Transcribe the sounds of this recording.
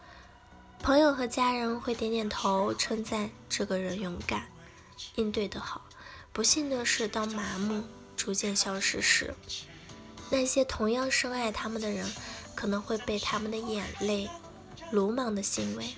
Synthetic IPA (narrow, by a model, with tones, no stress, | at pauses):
pʰɤ˧˥ŋjo˨˩ʊxɤ˧˥t͡ɕja˥ɻə˧˥nxwe˥˩ɪt̪jɛ˧˥nt̪jɛ˨˩nt̪ʰo˧˥ʊʈ͡ʂʰwə˥nt͡sa˥˩˧ɪ | ʈ͡ʂɤ˥˩ɡə˩ɻə˧˥njʊ˧˥ŋka˨˩˦n | i˥˧nt̪we˥˩ɪd̪ə˩xɑ˨˩˦ʊ | pu˧˥ɕi˥˩nd̪ə˨˩ʂɻ̩˥˧t̪ɑ˥˩ʊma˧˥mu˥˩ | ʈ͡ʂu˧˥t͡ɕjɛ˥˩nɕjɑ˥ʊʂɻ̩˥˧ʂɻ̩˥˩ | na˥˩ɕjɛ˥t̪ʰʊ˧˥ŋjɑ˥˧ŋʂɤ˥ŋa˥˩ɪt̪ʰa˥mə˨nd̪ə˩ɻə˧˥nkʰɤ˨˩nɤ˧˥ŋxwe˥˧ɪpe˥˩ɪt̪ʰa˥mə˨nd̪ə˩jɛ˨˩nle˥˩ɪ | lu˧˥mɑ˧˥ŋd̪ə˧ɕi˧˥nwe˧˥ɪ